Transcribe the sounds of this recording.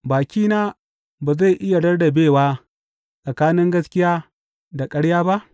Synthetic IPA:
baː˨kʲiː˦naː˦ | baː˨za˦˨jʔɪ˦ja˨ɽɐ˦rdɐ˨beː˦˨waː˦ | sʼɐ˨kaː˦nɪ˦ŋɡɐ˦skʲɪ˦jaː˦ | da˨kʼɐ˦ɽjaː˦ba˦ʔ

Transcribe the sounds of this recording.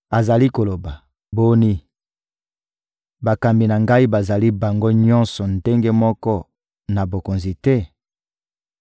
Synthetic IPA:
a˨za˨li˦ko˨lo˨ba˨ | bo˦ni˦ | ba˨ka˨mbi˨na˨ŋɡa˦i˦ba˨za˨li˦ba˨ŋɡo˦ɲɔ˦nsɔ˨nde˦ŋɡe˦mɔ˦kɔ˦ | na˨bo˨ko˨nzi˨tɛ˦

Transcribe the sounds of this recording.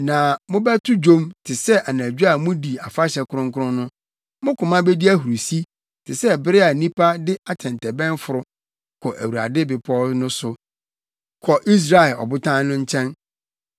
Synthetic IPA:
nã˨mʊ̃˦bɛ˦tʰʊ˦d͡ʑõ˦mtʰɪ˨sɛ˦ʔa˨næ̃˨d͡ʑᶣu˦a˨mʊ̃˦di˨a˨fa˦ɕɛ˨kʰʊ˦ɾʊ̃˦ŋkʊ˦ɾʊ̃˦nʊ̃˦ | mʊ̃˦kʊ̃˨mã˦bɛ˦di˦æ˦hu˨ɾu˨si˦ | tʰɪ˨sɛ˦bɪ˦ɾɪ˦a˨nĩ˦pʰa˦dɪ˦a˨tʰɛ̃˨n˨tʰɛ˨bɛ̃˦n˦fʊ˨ɾʊ˨ | kʰɔ˨ʔæ˨wu˨a̰˨dɪ˦bɪ˨pʰɔ˦nʊ̃˦sʊ˨ | kʰɔ˨ʔi˦s̬ɾa˨ɛ˨lɔ̰˨bʊ˦tʰã˦n˦nʊ̃˦ɲ̩˦t͡ɕʰɛ̃˦n

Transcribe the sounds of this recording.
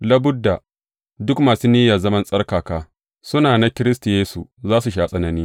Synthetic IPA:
lɐ˦bʊ˦dːa˨ | dʊ˦kmaː˨suː˦niː˦ja˨zɐ˦mɐ˦nsʼɐ˦rkaː˨kaː˦ | sʊ˦naː˨na˦kʲɪ˦ɾɪ˦sta˨jeː˦su˨zaː˦su˨ʃ̬aː˦sʼɐ˦nɐ˨niː˦

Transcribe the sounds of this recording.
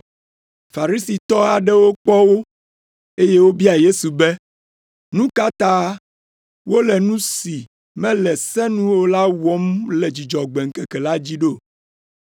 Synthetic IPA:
fa˨ɾi˦si˨t̪ɔ˦a˨ɖɛ˦wo˦k͡pɔ˦wo˦ | e˦jɛ˦wo˦bi˦a˨je˦su˨bɛ˦ | nũ˦ka˦t̪a˦ | wo˦lɛ˨nũ˦si˨ | mɛ̃˦lɛ˨sɛ̃˦nũ˦wo˦la˦wɔ˦mlɛ˨d͡ʑi˨d͡ʒɔ˨ɡ͡bɛ˨ŋ̩˨kɛ˨kɛ˨la˦d͡ʑi˦ɖo˦˨

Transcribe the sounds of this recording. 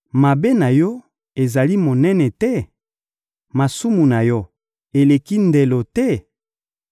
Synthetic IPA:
ma˨be˦na˨jɔ˦ | e˨za˨li˦mo˨nɛ˦nɛ˨tɛ˦ | ma˨su˦mu˨na˨jɔ˦ | e˨le˨ki˦nde˨lo˨tɛ˦˨

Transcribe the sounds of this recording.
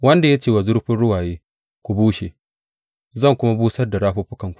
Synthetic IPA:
wɐ˦nda˨ja˦t͡ʃeː˨wa˨zʊ˦ɾɸɪ˦nɽʊ˦waː˨jeː˦ | kʷu˨buː˦ʃe˨ | zɐ˦˨ŋkʷʊ˦ma˦buː˦sɐ˦rda˨ɽaː˦ɸuː˦ɸʊ˦kɐ˨ŋkʷu̥˨

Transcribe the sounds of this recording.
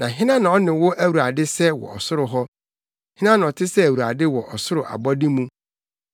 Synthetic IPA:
nã˨ɦɪ̃˦nã˦nã˨ɔ˦nɪ̃˨wʊ˦ʔæ˦wu˨ɾa˨dɪ˦sɛ˦wɔ̰˨ɔ̰˨sʊ˦ɾʊ˨ɦɔ˦ | hɪ̃˦nã˦nã˨ɔ˨tʰɪ˦sɛ˦æ˨wu˨ɾa̰˨dɪ˦wɔ˨ʔɔ˨sʊ˦ɾʊ˨ʔa̰˨bɔ˦dɪ˦mũ˦

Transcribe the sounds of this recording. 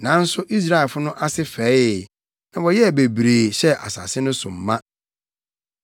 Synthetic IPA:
nã˨˦n̩˦sʊ˦ʔi˦s̬ɾa˦ɛ˨lfʊ˦nʊ̃˦ʔa˦sɪ˦fɛː˨˦ɪ˨ | nã˨wɔ˨jɛ˦˨be˨bɾeː˨ɕɛ˦ʔa˨sa̰˨sɪ˦nʊ̃˦sʊ̰̃˨m̩˨mã˦

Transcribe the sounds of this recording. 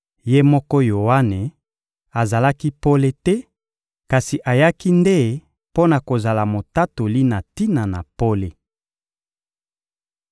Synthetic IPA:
je˦mɔ˦kɔ˦jo˨wa˦ne˨ | a˨za˨la˦ki˦po˦le˦tɛ˦ | ka˨si˨ʔa˨ja˦ki˦nde˦ | po˦na˨ko˨za˨la˨mo˨ta˦to˨li˦na˨ti˦na˨na̰˨po˦le˦

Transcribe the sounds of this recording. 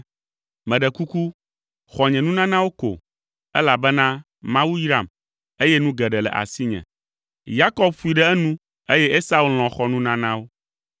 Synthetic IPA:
mɛ̃˨ɖɛ˨ku˦ku˦ | xɔ˨ɲɛ̃˨nũ˦nã˦nã˦wo˦ko̰˨ | ɛ̰˦la˨bɛ˦nã˦ | mã˦wu˦jɾa˨m | e˦jɛ˦nũ˦ɡɛ˨ɖɛ˨lɛ̰˨ʔa̰˨si˦ɲɛ̰̃˨ | ja˦kɔ˦b̚fu˨˦i˨ɖɛ˦ɛ˦nũ˦ | e˦jɛ˦ʔe˦sa˦u˦ll̃ɔ̃˨xɔ˨nũ˦nã˦nã˦wo˦

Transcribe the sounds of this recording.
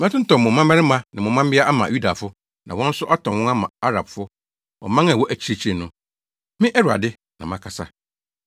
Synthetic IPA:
m̃˦tʰʊ̃˦n̩˦tɔ̃˨m˨mʊ̃˨mã˦mmɛ˦ɾɪ˦mã˦nɪ̃˨mʊ̃˨˦mã˦m˦bɪ˦a˦a˦mã̰˨ju˦da˨fʊ˦ | nã̰˨wɔ̃˦n̩˦sʊ˦ʔa˦tʰɔ̃˨wɔ̃˦a˦mã̰˨a˦ɾa˨bfʊ˦ | ɔ̰˨mã˦ŋa˨wɔ˦ʔæ˨t͡ɕʰi˦ɾe˦˨t͡ɕʰi˦ɾe˨nʊ̃˨ | mɪ̃˦ʔɛ˦ɾu˨a̰˨dɪ˦ | nã̰˨mã˨˦kʰa˨sa̰˦

